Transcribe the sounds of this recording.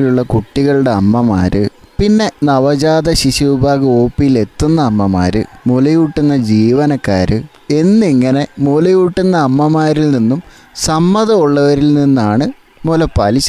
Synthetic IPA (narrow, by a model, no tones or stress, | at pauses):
luɭːɐkuʈːiɣɐɭuɽe̞ɐmːɐma̰ːɾɨ̰pinːe̞nɐʋɐd͡ʑaːd̪ɐɕiɕuʋubʱaːɣɐoːpːijile̞t̪ːunːɐːmːɐma̰ːɾɨ̰molɐjuʈːinːɐd͡ʑiːʋɐnɐkːa̰ːɾɨ | e̞nːɨiŋːɐne̞molɐjuʈːunːɐːmːɐmaːɾilninːum | sɐmːɐðɐuɭːɐʋɐɾilninːaːɳɨ | molɐpɐliɕɐ